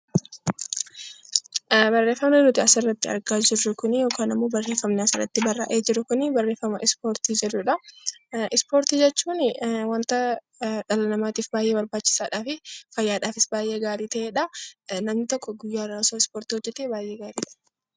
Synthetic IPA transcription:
bɐrːe̞ːfɐmnɛnʊt̪ɪɐsɪrːɐt̪ːɪɐ̰ɾɡaːd͡ʒɪrːʊkʊnɪjo̞ːkaːnɪmːoːbɐrːe̞ːfːɐmnɛɐsɪrːɐ̰t̪ːɪbɐrːa̰ʔeːd͡ʒɪɾʊkʊnɪbɐrːeːfːɐmɐʔɪspoːɾt̪iːd͡ʒɛrːʊᶑɐ | ɪspo̞ːɾt̪iːd͡ʒɛt͡ʃːuːnwɐnt̪ɐ | ᶑɐlɐnɐmaːt̪iːfbaːjʔe̞ːbɐɾbaːt͡ʃːɪ̥saːᶑaːfɪfɐjːaːᶑaːfɪsbaːjʔe̞ːɡaːɾiːt̪ɐʔeːᶑɐnɐmnɪt̪ɔkːɔɡʊjːaːɾɐsoːɪspoːɾt̪iːhɔd͡ʒːɛt̪eːbaːjʔe̞ːɡaːɾiːᶑɐ̥

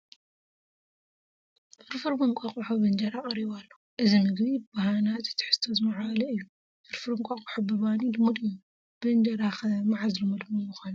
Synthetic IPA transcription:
ʔɨɾfɨɾbɨŋkʷʼaχʼuħobɐnd͡ʒɐɾakʼɐɾiβalːo | ʔɨzimɨɡβibahanat̪ɨt̪ʰɨ̥ħɨ̥z̥t̪ʰɐzmaʕlɐɨjːu | ʔɨɾfɨɾɨŋkʷʼaqʼuħobɨβanilɨmud̪m | bɨnd͡ʒɐɾaxɐmaʕazlɨmɨd̪mumuxanu

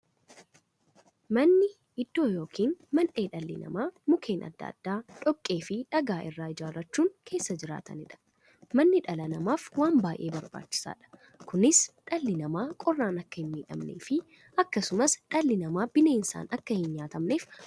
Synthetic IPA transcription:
mɐnːɪ | ɪd̪ːo̞ːjo̞ːkʰiːnmɐnʔe̞ːᶑɐlːɪ̰nɐ̰maːmʊkʰe̞ːnʔɐ̰d̪ːɐ̰ɐ̰d̪̥ːaːᶑɔkʼːe̞ːfɪᶑɐɡaːʔɪrːaːɪd͡ʒaːɾɐt͡ʃːuːŋkʰe̞ːsːɐd͡ʒɪɾa̰ːt̪ɐ̰nɪᶑɐ̥ | mɐnːɪᶑɐlɐnɐmaːfwaːmbaːjʔe̞̰ːbɐɾba̰ːt͡ʃːɪ̥sa̰ːᶑɐ̥ | kʊnɪsᶑɐlːɪnɐmaːkʼɔrːaːnɐkːɐhɪnmiːᶑɐ̰mnḛːfɪ | ɐkːɐsʊmɐsᶑɐlːɪnɐmaːbɪneːnsa̰ːnɐkːɐhɪnɲaːt̪ɐmne̞ːf

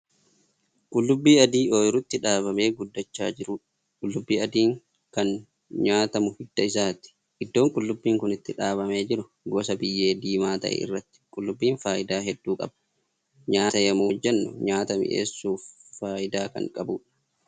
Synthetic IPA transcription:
kʼʊlːʊbːiːɐd̪iːʔoːjɪɾʊt̪ːɪᶑaːβɐme̞ːɡʊd̪ːɐt͡ʃːa̰ːd͡ʒɪɾʊᶑ | kʼʊlːʊbːiːɐd̪iːŋ | kɐn | ɲaːt̪ɐmʊhɪd̪ːɐɪsaːt̪ɪ̥ | ʔɪd̪ːo̞ːŋkʼʊlːʊbːiːŋkʊnɪt̪ːɪᶑaːβɐmeːd͡ʒɪɾʊ | ɡɔsɐbɪjːe̞ːd̪iːmaːt̪ɐ̰ʔɛ̰ɪ̰rːɐt̪ːɪ̥kʼʊlːʊbːiːnfaːʔɪd̪aːɦɛd̪ːuːkʼɐ̰bɐ | ɲaːt̪ɐjɐmoːd͡ʒːɛnːʊ̰ɲaːt̪ɐmɪ̰ʔḛːsːuːfːaːʔɪd̪aːkɐ̰ŋkʼɐbuːᶑɐ̥

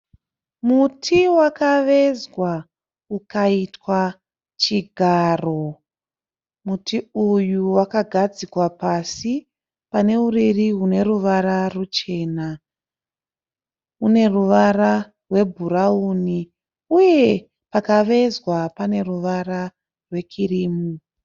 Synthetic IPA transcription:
mutʰiwakaʋe̞zwa | ukaitwa | t͡ʃiɡʱaːro̞ | mutʰiujuwakaɡʱad͡zikwapasi | pane̞uririɦune̞ruʋararut͡ʃe̞ːna | une̞ruʋara | rwe̞bʱuɾauːni | uje̞ | pakaʋe̞zwapane̞ruʋara | rwe̞kʰiriːmu

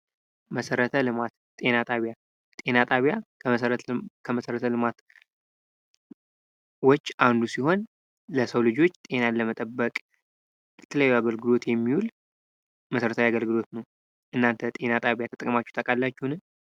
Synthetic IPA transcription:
məsəɾət̪ʰəlɨmat̪ | t̪ʼe̞nat̪ʼaβja | t̪ʼe̞nat̪ʼaβjaɾkʰəməsəɾət̪ʰəlɨmat̪ | wɔt͡ʃːand̪usiho̞n | ləsəwlɨd͡ʒo̞t͡ʃːt̪ʼe̞naləmət̪ʼəbːəkʼ | jɛt̪ʰələjajːuaɡəlɡɨlo̞t̪jɛmːihul | məsəɾət̪ʰawiaɡəlɡɨlo̞t̪nəw | ʔɨnːant̪ʰət̪ʼe̞nat̪ʼaβjat̪ʰət̪ʼəkʼmat͡ʃːu̥t̪ʰəkʼalːat͡ʃːhunɨn

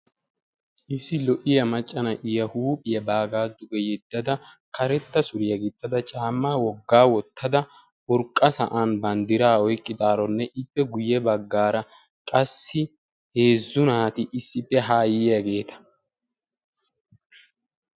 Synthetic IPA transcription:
ʔɪsːɪlɔʔɪjɐmɐt͡ʃʼːɐnɐʔɪjɐhuːpʼɪjɐbaːɡaːd̪ʊʔɛjɛd̪ːɐd̪ɐ | kɐɾɛt̪ːɐsʊɾɪjɐɡɪt̪ʼːɐd̪ɐt͡ʃʼaːmːaːwɔɡːaːwɔt̪ːɐd̪ɐ | ʊɾkʼːɐsɐʔanbɐnd̪ɪɾaːɔjkʼːɪd̪ʼaːɾɔnːɛʔɪpːɛɡʊjɛbɐɡːaːɾɐ | kʼɐsːɪ | he̞ːzːʊnaːt̪ɪʔɪsːɪpːɛɦaːjɪjɐɡe̞ːt̪ɐ̥

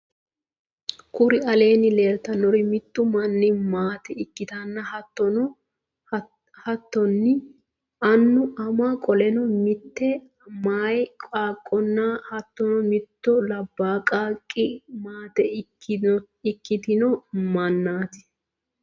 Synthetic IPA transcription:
kʊɾɪɐle̞ːnɪle̞ːɾt̪ɐnːɔɾɪmɪt̪ːʊmɐnːɪmaːt̪ɛɪkːɪt̪ɐnːɐhɐt̪ːɔnɔ | hɐt̪ːɔnːɪ | ʔɐnːʊʔɐmaːkʼɔlɛnɔmɪt̪ːɛ | maːjkʼaːkʼːɔnːɐhɐt̪ːɔnɔmɪt̪ːɔlɐbːaːkʼaːkʼːɪmaːt̪ɛ | ɪkːɪt̪ɪnɔmɐnːaːt̪ɪ̥

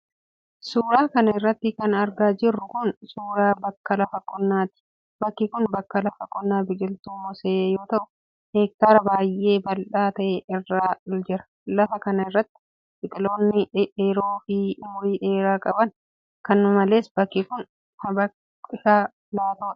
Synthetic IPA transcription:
suːɾaːkɐnɐɪrːɐt̪ːɪkɐnɐɾɡaːd͡ʒɪrːʊkʊnsuːɾaːbɐkːɐlɐfɐkʼːɔnːaːt̪ɪ̥ | bɐkːɪkʊnbɐkːɐlɐfɐkʼːɔnːaːbɪd͡ʒɪlt̪uːmɔseʔːjo̞ːt̪ɐʔʊ̥ | heːk̚t̪aːɾɐbaːjʔe̞ːbɐlᶑaːt̪ɐʔeːɪrːaːɪld͡ʒɪɾɐ̥ | lɐfɐkɐnɐɪrːɐt̪ːɪ̥ | bɪt̪ʼɪlo̞ːnːɪeːɾo̞ːfɪmʊɾiːᶑe̞ːɾaːkʼɐbɐn | kɐnːɐmɐle̞ːsb̥ɐkːɪkʊn | hɐbɐ | ɪʃaː | laːt̪o̥ː

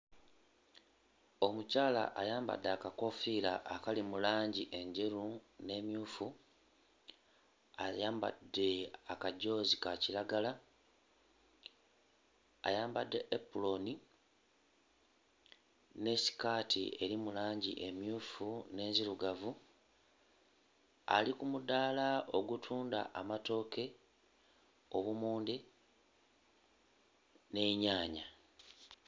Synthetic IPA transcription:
o̞mucaːla̰ʔajaːmba̰dːeakako̞fiːɾaʔːkalimulaːɲɟiʔe̞ɲɟeɾune̞ːmjuːfu | a̰jaːmba̰dːe̞akaɟo̞ːzikaciɾaɡala | a̰jaːmbadːe̞ʔepulo̞ni | ne̞si̥kaːtʰḭe̞ɾimulaːɲɟḭʔe̞mjuːfune̞ːziɾuɡavu | a̰likumudaːlao̞ɡutʰuːnda̰ʔamato̞ːke̞ | o̞βumuːndi | ne̞ːɲaːɲa

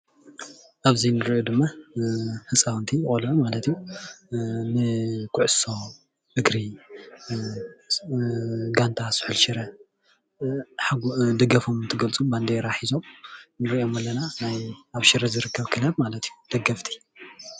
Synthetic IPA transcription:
ʔaβzinɨɾod̪ɨmːa | hɨt͡sʼawnt̪ʰijχʼolɐmalɐt̪iju | nɨkʰʊʕso̞ | ʔɨɡɾi | ɡant̪ʰasɨ̥ħɨlʃɪɾɐ | ħaɡd̪ɐɡɐfomɨnt̪ʰɨɡɐlt͡sʼumband̪eɾaħizo̞mnɨɾiʔo̞mɐlːɐnanajaβʃɪɾɐzɨɾɨkːɐβkʰɨlɐβmalɐt̪ijud̪̥ɐɡɐft̪ʰi̥

